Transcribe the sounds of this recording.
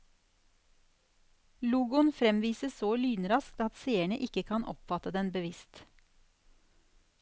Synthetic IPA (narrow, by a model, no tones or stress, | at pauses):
luːɡʊnfɾɛmʋiːsəsoːlyːnɾɑsk̚t̪ɑt̪seːəɳəʔɪkəkʰɑnʔɔ̰pfɑt̪əd̪ɛnbəʋɪst̪